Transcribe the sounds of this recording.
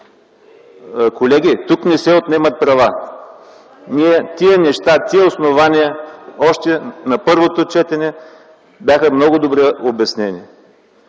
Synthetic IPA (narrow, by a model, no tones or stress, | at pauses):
kolɛɡ̟ʲit̪uknɛsɛot̪nɛmɐt̪̚pɾɐva | niɛt̪iənɛʃt̪at̪iəosnovaniəɔʃt̪ɛnɐpɤɾvot̪ot͡ʃɛt̪ɛnɛ | bjaxəmnɔɡʊd̪obɾɛobɐsnɛnḭ